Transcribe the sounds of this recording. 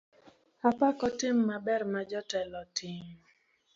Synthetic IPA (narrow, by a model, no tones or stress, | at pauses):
apakɔtɪmːabɛrmad͡ʒɔtɛlɔtʰɪŋ